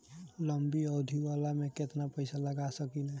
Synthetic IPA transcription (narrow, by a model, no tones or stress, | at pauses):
ləmbiɔd̪ʱiwalameket̪napəɪsaləɡasəkinɛ